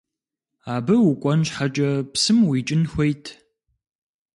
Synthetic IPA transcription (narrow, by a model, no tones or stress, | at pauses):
aːbɨwʊkʷʼɔnɕħat͡ʃʼɐpsɨmwit͡ʃʼɪnxʷejtʰ